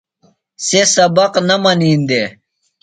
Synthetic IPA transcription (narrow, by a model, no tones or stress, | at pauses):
sesɐbɐqnɐmɐniːnd̪e